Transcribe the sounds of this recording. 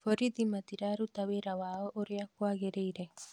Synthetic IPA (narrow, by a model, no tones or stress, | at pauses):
fɔɾid̪imat̪iɾaɾut̪aweɾawaːɔʔɔɾiakːwaɡeɾeiɾe